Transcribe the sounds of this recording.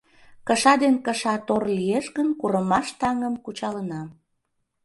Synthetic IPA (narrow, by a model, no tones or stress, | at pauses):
kəʃɑd̪enkəʃɑt̪orlijeʃɣənkuɾəmɑʃt̪ɑŋəmkut͡ɕɑlənɑ